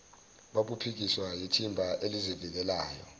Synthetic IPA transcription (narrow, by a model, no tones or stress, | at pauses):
ɓaɓupʰik̬iswajitʰimbʱaʔelizivik̬ɛlaːjɔ̰